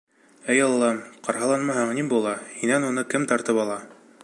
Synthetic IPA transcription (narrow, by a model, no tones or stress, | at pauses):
æjɑlˠːɑmqɑɾɦɑlˠɑnmɑɦɑɴnimbulˠɑhinænunɤkɘmt̪ɑɾt̪ɤpɑlˠɑ